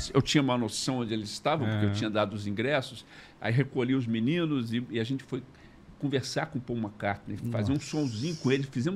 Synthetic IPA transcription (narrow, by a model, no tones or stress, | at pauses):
sewt͡ʃĩɲɐũmɐnosɐ̃w̃õnd͡ʒɪelɪzɪst̪avɐ̃poɾkeewt͡ʃĩɲɐd̪ad̪ʊʊzĩɡɾɛsʊs | a̰iɦekoʎiʊzminĩnʊzɪɪaʒẽnt͡ʃɪ̥foj | kõveɾsaɾkõpoũmɐkaɾt̪ɐnɛfazeɾũsõzĩɲʊkõelɪfizẽmʊ